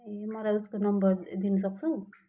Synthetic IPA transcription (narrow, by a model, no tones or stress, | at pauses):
emʌlajuskonʌmbʌɾd̪inʌs̬ʌk̚t͡sʰu